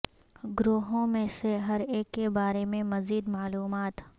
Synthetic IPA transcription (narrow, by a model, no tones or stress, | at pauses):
ɡɾoːɦõmẽseɦɐɾeːkːebaːɾemẽmɐziːd̪maːluːmaːt̪